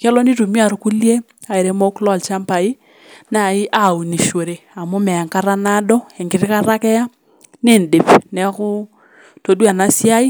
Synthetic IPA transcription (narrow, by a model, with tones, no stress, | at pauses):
ka˦lɔ˦ni˦tu˨mi˦a˨ɾu˦ku˦lje˦ | a˨e˨ɾe˨˦mo˦klɔ˦˨lt͡ʃa˦mpa˨i˦ | na˨i˦ʔa˦˨u˨ni˨ʃo˨ɾe˨a˨mo˦mɛ˨a˨ŋka˦ɾa˦na˦dɔ˦ɛ˨ŋɡɪ˨ɾɪ˦ka˦ɾa˦kɛ˦ja˦ | nɪ˦˨ndɪ˨pnɛ˨˦kʊ˦ | to˨dwa˨na˦si˦a˦i˦